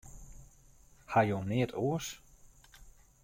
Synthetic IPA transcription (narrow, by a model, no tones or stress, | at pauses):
hajoneːtʰoəs